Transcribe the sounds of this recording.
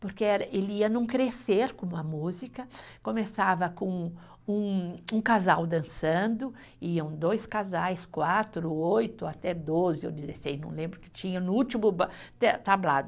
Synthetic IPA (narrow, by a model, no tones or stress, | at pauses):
poɾkeɛɾɐʔeliɐnũkɾeseɾkõmɐmuzikɐ | kõmesavɐkõ | ũũkazawd̪ɐ̃sɐ̃nd̪ʊ | iɐ̃w̃d̪ojskazajskwat̪ɾʊojt̪ʊat̪ɛd̪ozɪḛwd̪izesejznɐ̰̃w̃lẽmbɾʊkɪ̥t͡ʃĩɲɐnʊut͡ʃimʊbt̪ɛt̪ablad̪ʊ